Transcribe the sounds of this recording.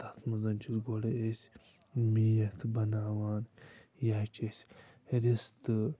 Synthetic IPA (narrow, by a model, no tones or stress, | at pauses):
t̪ɐt̪ʰmɐzɐnt͡ʃʰisɡoɽɐesʲ | mijɐt̪ʰbɐnaːwaːnjaːt͡ʃesʲ | ɾist̪ɨ